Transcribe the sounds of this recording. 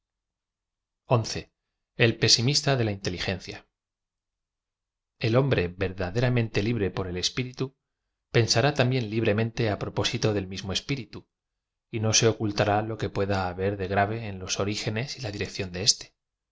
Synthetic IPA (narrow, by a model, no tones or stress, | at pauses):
o̞nθe̞ | elpe̞simist̪aðe̞laint̪e̞lixẽ̞n̟θja | e̞lõ̞mbɾe̞be̞ɾðaðe̞ɾamẽ̞nt̪e̞liβɾe̞po̞ɾe̞le̞spiɾit̪u | pe̞nsaɾat̪ambje̞nliβ̞ɾe̞mẽ̞nt̪e̞apɾo̞po̞sit̪oðe̞lmizmoespiɾit̪u | ino̞se̞o̞kult̪aɾalo̞ke̞pwe̞ðaːβe̞ɾðe̞ɣɾaβ̞e̞ːnlo̞so̞ɾixe̞ne̞silaðiɾe̞kθjo̞nd̪e̞est̪e̥